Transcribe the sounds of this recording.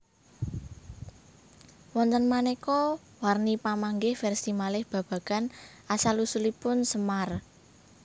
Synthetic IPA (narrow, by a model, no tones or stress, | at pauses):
wɔnt̪ənmanekɔ | warnipamaŋɡɪhfɛrsimalɪhb̥ä̤b̥ä̤ɡ̥anʔasalusulipʊnsəmar